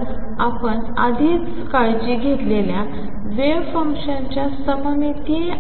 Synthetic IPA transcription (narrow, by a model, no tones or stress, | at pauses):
apəɳ | ad̪ʱiːt͡s | kaɭd͡ʑiːɡʱet̪lelja | ʋefə̃ŋkɕant͡ɕjasəməmit̪i